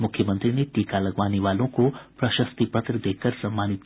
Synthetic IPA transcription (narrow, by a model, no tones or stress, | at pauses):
mukʰjəmənt̪ɾineʈikaləɡʋaniʋalõkoprəʃəst̪ipət̪rəd̪ekʰəɾsɐmːanit̪